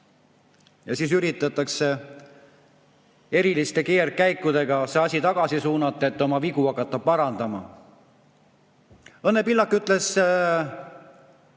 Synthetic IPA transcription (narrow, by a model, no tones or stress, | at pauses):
jɑsiːs̬yɾit̪ːˑɑt̪ːˑɑkse̞ | e̞ɾilist̪e̞ke̞ːrkæjkːˑud̪e̞ɡ̥ɑseɑsʲit̪ɑɡ̥ɑsisuːnɑt̪ːˑet̪ːˑo̞mɑviɡuɑkːˑɑt̪ːˑɑpɑɾɑnd̪̥ɑmɑ̰ | ɤnːepilːɑkːˑyt̪ˑle̞s